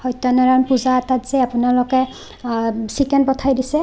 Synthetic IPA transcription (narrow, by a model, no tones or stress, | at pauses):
hɔjtanɔɹanpuzaatatz̥eapʊnalɔkɛ | sikɛntpɔtʰajdisɛ